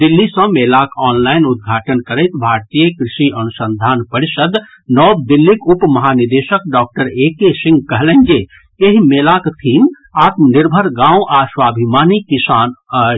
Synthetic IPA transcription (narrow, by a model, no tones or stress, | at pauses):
d̪ilːisə̃melakɔːnlaɪnud̪̚ɡʱaːʈənkəɾəɪt̪bʱaɾt̪ijəkɾɪʃiʔənusə̃nd̪ʱaːnpəɾisəd̪ | nɔːbd̪ilːikupmɐɦanid̪eʃək̚ɖɔːk̚ʈəɾekesɪ̃ŋɡ̚kəɦlə̃nd͡ʒe | eɦimelakt̪ʰiːm | aːt̪məniɾbʱəɾɡãːũʔaswaːbʱimaːnikisaːnə